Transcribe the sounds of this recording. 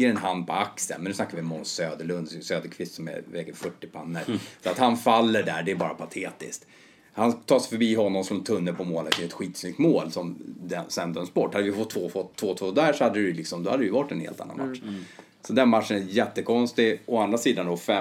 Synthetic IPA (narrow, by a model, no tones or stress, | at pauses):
əɾɛnɦand̪̚pʰɔaksə̰nmɛnɵsnakːavɪɔmɔsøːd̪əɭɵnd̪søːd̪əɾkʰvɪst̪sɔmɛ̰vɛkəfœʈːɪpʰanːəɾsɔat̪hanfalːəɖæːɖɛːbɑːɾapʰat̪ʰeːt̪ɪ̰skt̪ | hant̪ʰɑːsfœɾbiːɦɔnːɔmsɔmɛnt̪ʰɵnːəpʰɔmoːlakːɛt̪ɧiːt̪snʏk̚t̪moːlsɔmd̪ɛsɛnd̪œmsbɔʈːhad̪ːəvjəfɔt̪ʰːvoːfɔt̪ʰːvoːt̪ʰvoːd̪æːʂɔhad̪ːəɾɪjlɪksɔmd̪ɔhad̪ːɾɪjɵvaʈːɛnhḛːlt̪a̰na̰nma̰t̪ʂ | sɔd̪ɛnmatːʂənæjɛt̪ːəkʰɔnst̪ɪɔand̪ɾasiːd̪and̪ɔfɛ